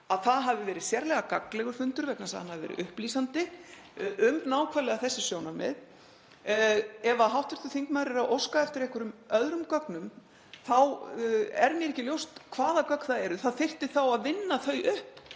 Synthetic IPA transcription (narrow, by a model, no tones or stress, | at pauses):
aðθaðɦavðɪvɛːɾɪðsjɛɾlɛɣakaklɛɣʏɾ̥fʏnt̪ʏɾvɛk̪nasaðhanhavðɪvɛ̰ɾɪ̰ʔʏhplisant̪ɪ | ʏmnaːwkʰvaɾlɛɣaθɛsːɪ̥sjoːwnaɾmɛ̰ð | ɛvaðɦawht̪ɪɾ̥t̪θʏθiŋkmaðɾɪɾaðʔowskaɛft̪ɪɾɛhkʏɾʏmœðɾʏmkœknʏm | θaw | ɛ̰ɾmjɛɾɛhcɪljowst̪kʰvaːðakœkθaðɛɾʏθaðθɪr̥t̪ɪθawaðvɪnːaθœɥʔʏhp